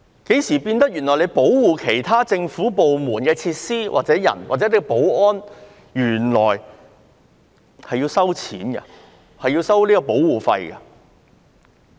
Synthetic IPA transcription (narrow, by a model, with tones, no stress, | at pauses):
ke˨˥jsiː˨˩piː˧nt̪ɐ˥k̚jy˨˩nlɔ˨˩le˨˧jpo˨˥wwuː˨˩kʰe˨˩jt̪ʰaː˥t͡sɪ˧ŋfuː˨˥po˨wmuː˨˩nkɛː˧t͡sʰiː˧t̚siː˥wʔa̰˨t̚t͡sɛː˨˥jɐ̰˨˩nwa̰ː˨t͡sɛ˨˦˥liː˥kɔ˧po˨˥wɔː˥n | jyː˨˩nlɔ̰ː˨˩j | hɐ˨jiː˧wsɐ˥wt͡sʰiː˨˥nɡɐ̰˧ | hɐ˨jiː˧wsɐ˥wliː˥kɔː˧po˨˥wwuː˨˩fɐ̰˧jkɐ̰˧